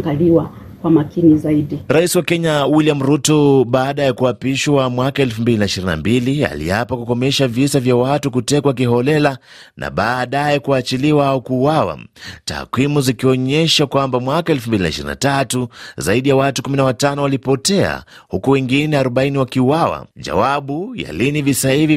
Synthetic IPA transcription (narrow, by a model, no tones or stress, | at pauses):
ŋɡaliwa | kwamakinizaiɗiɾaisiwakɛɲawilijam̩ɾutɔɓaːɗajakuapiʃwamwakaɛlfumbilinaiʃiɾina̰mbilia̰lḭapakukɔmɛʃavisavjawatukutɛkwak̬iɦɔlɛla | na̰ɓaːɗajɛkuat͡ʃiliwaaukuːwawa̰ta̰ːkwimuzikiɔɲɛʃakwambamwakaɛlfumbilinaiʃiɾḭna̰tatuzaiɗijawatukuminawatanɔwalipɔtɛa̰hukuwɛŋɡinɛaɾɔɓainiwakiuwawa̰ʄa̰waɓuja̰linivisahivi